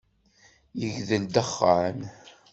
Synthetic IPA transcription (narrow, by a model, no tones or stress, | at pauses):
jəʝðəld̪əχːən